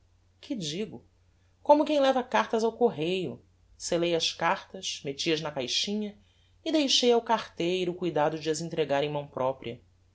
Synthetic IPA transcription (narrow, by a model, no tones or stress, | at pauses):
kʰɪd͡ʒiɡʊ | kõmʊkẽj̃lɛvɐkaɾt̪ɐzawkoɦejʊ | selejɐʃkaɾt̪ɐʃmet͡ʃiɐznɐkajʃĩɲɐ | ɪd̪ejʃejawkaɾt̪ejɾʊkujd̪ad̪ʊd͡ʒɪɐzĩnt̪ɾeɡaɾẽj̃mɐ̃w̃pɾʔɔpɾiɐ